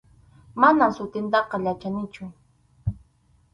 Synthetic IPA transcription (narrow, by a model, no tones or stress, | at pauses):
manamsʊt̪ɪnt̪ɑqɑʎat͡ʃanɪt͡ʃʊ